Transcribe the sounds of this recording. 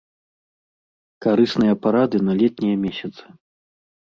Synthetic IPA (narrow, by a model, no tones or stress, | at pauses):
kaɾɨsnɨjɐpaɾad̪ɨnɐlʲɛt̪̚nʲijɐmʲɛsʲɐt̪sɨ̥